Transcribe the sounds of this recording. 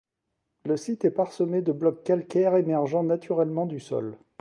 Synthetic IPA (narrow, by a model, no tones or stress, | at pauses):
ləsit̪ɛpaʁsəmed̪əblɔkːalkʲɛʁemɛʁʒɑ̃nat̪ʰyʁɛlmɑ̃d̪ysɔ̰l